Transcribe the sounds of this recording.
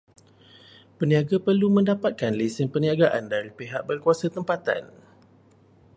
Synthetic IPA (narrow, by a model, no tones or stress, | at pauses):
pəniaɡapərlumə̃ndapat̪̚kanlisɪnpəniaɡaʔandaɾipeɦaʔ̚bərkuasat̪əmpat̪a̰n